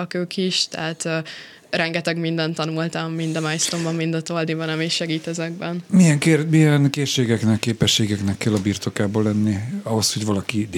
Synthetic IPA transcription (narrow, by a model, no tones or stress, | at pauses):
ɒkøːkiʃt̪ɛ̰ɦat̪ː | rɛŋɡɛt̪ɛɡmind̪ɛnt̪ɒnult̪ɒmːind̪ɒmaːjst̪ombɒmːind̪ɒt̪old̪ibɒnɒmiʃɛɡiːt̪ɛzɛɡ̚bɛnmijɛŋkeɾmijɛnkeːʃːeːɡɛknɛkːeːpɛʃːeːɡɛknɛkːɛlːɒbiːrt̪o̞kaːbolɛnːiɒɦo̞shoɟʋɒlɒkid̪